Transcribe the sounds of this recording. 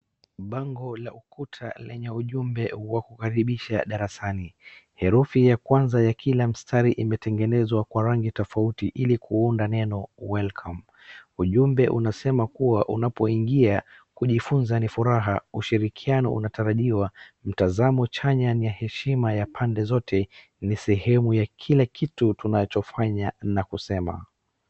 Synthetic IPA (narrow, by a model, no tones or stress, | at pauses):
ɓaŋɡɔlaukʰutʰa̰lɛɲɛuʄumbɛwakukaɾiɓiʃaɗaɾasanihɛɾufijakwanzajakʰilam̩stʰaɾiʔimɛtɛŋɡɛnɛzwakwaɾaŋɡitɔfautiʔilikuundanɛnɔwɛlkʰam | uʄumbɛʔunasɛmakuwaʔunapɔiŋɡia | kuʄifunzanifuɾaɦauʃiɾikʰianɔ̰ʔṵnataɾaʄiwam̩tazamɔt͡ʃaɲanijahɛʃimajapʰandɛzɔtʰɛ | nisɛɦɛmujakʰilakʰitutunat͡ʃɔfaɲanakusɛma̰